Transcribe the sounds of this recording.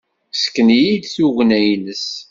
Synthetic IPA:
sə̥kːənijid̪θuʝnæjnəs

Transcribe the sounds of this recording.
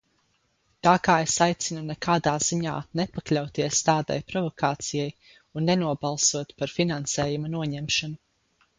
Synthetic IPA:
t̪aːkaːesajt̪sinunɛkʰaːd̪aːz̥iɲa̰ːnepaklʲawt̪iɛst̪aːd̪ɛ̰jpɾɔvɔkaːt̪sijaj | unːenuɔbalˠsuɔt̪paɾfinansɛːjumanuɔɲɛmʃanu

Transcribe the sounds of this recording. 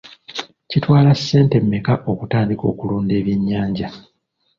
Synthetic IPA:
citwaːlasːe̞ːnte̞mːekaʔo̞kutaːndiko̞̰ːkuluːnde̞ːβjiɲːaːɲɟa

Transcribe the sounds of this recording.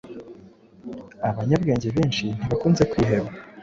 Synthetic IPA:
aβaɲabɡe̞ːɲɟe̞βe̞ːnʃin̥hiβakuːnze̞kwiːɦe̞βɡa

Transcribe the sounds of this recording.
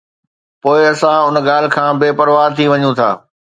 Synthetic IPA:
poːɪɐsãʊnɠaːl̤ɪ̆kʰãːbɪpɐɾʋaːɾt̪ʰiʋɐɲũt̪ʰa̰ː

